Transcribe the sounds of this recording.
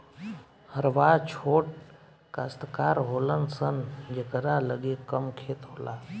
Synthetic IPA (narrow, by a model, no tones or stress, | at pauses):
həɾʋat͡ʃʰoʈ̚ | kast̪kaːɾɦolənsənd͡ʒekəɾaləɡekəmkʰeːt̪ɦola